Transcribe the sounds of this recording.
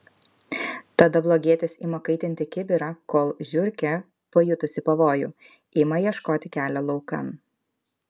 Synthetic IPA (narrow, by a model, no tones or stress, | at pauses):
t̪ɐd̪ɐblˠoːɡʲiɛt̪ʲɪsʲḭmɐkɐɪt̪ʲɪnʲt̪ʲɪkʲɪbʲɪɾɑkoːlˠʒʲʊɾʲkʲɛ | pojʊt̪ʊsʲɪpɐʋoːjʊ̰ː | ɪːmɐjiɛʃkoːt̪ʲɪkʲæːlʲɛlˠɔʊkɐ̰n